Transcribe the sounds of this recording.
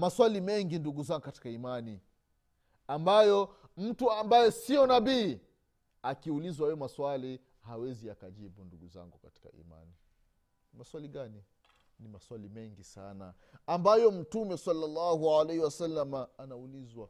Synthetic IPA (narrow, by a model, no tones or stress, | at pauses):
maswalimɛŋɡinduɡuzaŋɡukati̥kaimani | ambajɔ | m̩tuambajɛsiɔnabiː | akiulizwawɛɛmaswali | hawɛziakaʄiɓunduɡuza̰ŋɡukati̥ka̰ʔḭma̰ni | maswaliɠani | nimaswalimɛŋɡisa̰naː | mbajɔm̩tumɛsalːalːaɦualehiwasalːamaːnaulizwa